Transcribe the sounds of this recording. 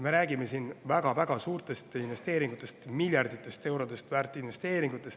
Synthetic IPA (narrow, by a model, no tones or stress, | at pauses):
me̞ɾæːɡ̥ime̞sinvæɡ̥ɑvæɡ̥ɑsuːrt̪e̞st̪inve̞st̪e̞ːɾiŋɡ̥ut̪ːˑe̞st̪milʲjɑrd̪it̪ːˑe̞st̪e̞wɾo̞d̪̥e̞st̪væːrt̪ːˑinve̞st̪e̞ːɾiŋɡ̥ut̪ːˑe̞st̪